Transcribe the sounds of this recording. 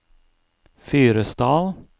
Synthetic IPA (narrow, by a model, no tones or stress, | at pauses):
fyːɾəst̪ɑːl